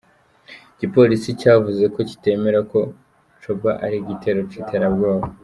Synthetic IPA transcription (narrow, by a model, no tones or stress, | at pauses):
ɟ̥ipo̞lisicaːvuze̞ko̞ci̥te̞ːme̞ɾako̞ | t͡ʃobaʔaɾiɟitʰe̞ːɾo̞citʰeɾabɡwaːβo